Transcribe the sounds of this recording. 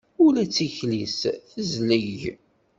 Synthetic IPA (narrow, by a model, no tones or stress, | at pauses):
ʊlæt͡sːiçlisθəzləʝ